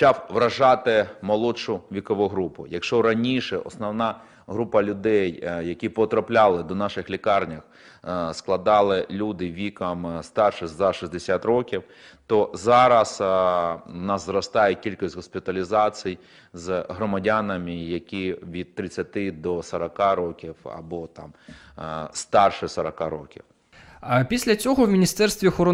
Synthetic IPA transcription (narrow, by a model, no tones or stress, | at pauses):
t͡ʃɑwʋɾɐʒɑt̪ɪmɔlˠɔʃʊʋʲikɔʋuɦɾupʊjɐkʃt͡ʃɔɾɐnʲiʃɛʔɔsnɔwnɑ | ɦɾupɐlʲʊd̪ɛjjɐkʲipɔt̪ɾɐplʲalˠɪd̪ɔnɑʃɪxlʲikɑrnʲɐx | sklˠɐd̪ɑlˠɪlʲud̪ɪʋʲikɐmst̪ɑrʃɪxzɐʃizʲd̪esʲat̪rɔkʲiw | t̪ɔzɑɾɐs | nɑzzɾɔst̪ajɛkʲilʲkɔsʲtʲɦɔspʲit̪ɐlʲizat͡sʲij | zɦɾɔmɐdʲanɐmɪjɐkʲiʋʲid̪̚t̪ɾɪt͡sʲːɐt̪ɪd̪ɔsɐɾɐkaɾɔkʲiwɐ̰bɔt̪ɑ̰m | st̪ɑrʃɪsɐɾɐkaɾɔkʲḭw | pʲisʲlʲɐt͡sʲɔɦɔwmʲinʲist̪ɛrst̪ʋʲiɔxɔɾɔ